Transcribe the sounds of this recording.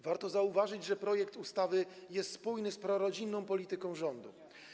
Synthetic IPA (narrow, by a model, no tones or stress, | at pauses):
vaɾt̪ɔzauvaʐɘd͡ʑʐɛpɾɔjɛkt̪ust̪avɘjɛst̪spujnɘspɾɔɾɔd͡ʑinːɔ̃w̃pɔlʲit̪ɘkɔ̃w̃ʐɔnd̪ṵ